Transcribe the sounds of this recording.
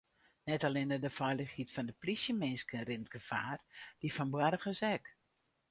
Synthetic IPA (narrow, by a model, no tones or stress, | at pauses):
nɛtalɪnədəfɔjləxhitfɔndəplisjəmɪnskərɪntɡ̥əfa̰ːrd̥ifɔnbwɛɾəɣəsɛk